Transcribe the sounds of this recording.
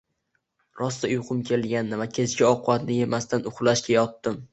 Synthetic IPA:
ɾɒst̪aʊjqʰʊmkʲʰe̞lɡʲanːɪvakʲʰe̞zɡʲaɒqʰʊbat̪nɪje̞mast̪anʊχlˠaʃkʲajɒt̪ːɪm

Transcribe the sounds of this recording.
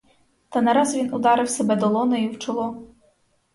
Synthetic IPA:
t̪ɐnɛɾɑzʋʲinʊd̪ɑɾɪwsɛbɛd̪ɔlˠɔnɐiwt͡ʃɔlˠɔ

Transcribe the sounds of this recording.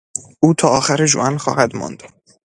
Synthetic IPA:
ʔuːt̪ʰɒːɒːxæɾeʒo̰ʔænxɒ̰ːhæd̪mɔ̰nd̪

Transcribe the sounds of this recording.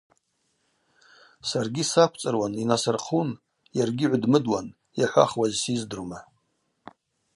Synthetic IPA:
sarɡʲisakʷʰt͡sʼɨrwaninasɨrqʰun | jarɡʲiʕʷdmɨdwa̰n | jaħʷa̰χwazsizdɨrma

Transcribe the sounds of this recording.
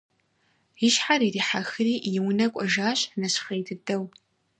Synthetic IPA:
jɪʃħaɾiɾiːħaxɨriːjɪwʊnɐkʷʼɔʒaːɕnɐɕχeːjtʰɨdɐw

